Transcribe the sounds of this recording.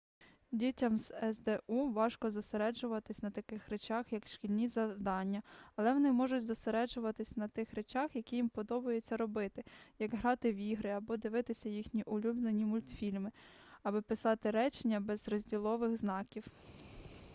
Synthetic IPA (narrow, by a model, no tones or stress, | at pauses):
dʲitʲɐmz̥ɛzd̪ɛuʋɑʃkɔzɔseɾɛd͡ʒʊʋɐt̪ɪsʲnɐt̪ɐkɪxɾet͡ʃaxjɐkʃkʲilʲnʲizɐwd̪ɑnʲːɐɐlˠɛʋɔnɪmɔʒʊtʲzɔseɾɛd͡ʒʊʋɐt̪ɪsʲnɐt̪ɪxɾet͡ʃɑxjɐkʲijimpɔd̪ɔbɐjet͡sʲːɐɾɔbɪt̪ɪjɐɡɦɾɑt̪ɪwiɦɾɪɐbɔd̪ɪʋɪt̪ɪsʲɐjixnʲiʔʊlʲubnenʲimʊlʲt̪fʲilʲmɪɐbɪpɪsɑt̪ɪɾɛt͡ʃenʲːɐbɛzrɔzʲdʲilˠɔʋɪɣznɑkʲiw